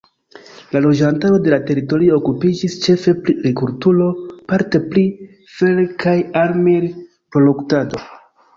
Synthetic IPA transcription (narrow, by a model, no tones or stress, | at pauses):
lalo̞d͡ʒantaɾo̞de̞late̞ɾito̞ɾio̞ːkupid͡ʒist͡ʃe̞fe̞pɾiɾikuɾtulo̞paɾte̞pli | felkʰajaɾmiɾ | pɾo̞loktado̞